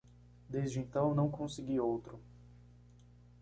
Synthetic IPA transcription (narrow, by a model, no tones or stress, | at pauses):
d̪ezd͡ʒɪẽnt̪ɐ̃w̃nɐ̃w̃kõsɪɡiowt̪ɾʊ